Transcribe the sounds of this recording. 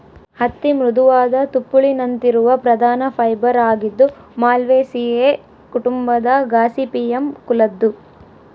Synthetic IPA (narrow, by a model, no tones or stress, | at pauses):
hɐt̪ːimɾud̪uʋaːd̪ɐt̪upːuɭinɐnt̪iɾuʋɐpɾɐd̪ʱaːnɐpʰɐjbɐɾaːɡid̪ːu | maːlʋeːsiːeː | kuʈumbɐd̪ɐɡaːsipiemkulɐd̪ːu